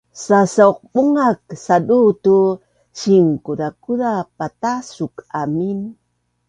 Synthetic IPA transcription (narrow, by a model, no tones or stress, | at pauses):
sasauq̚buŋaksadutu | ɕiŋkuɾakuɾapatasukamin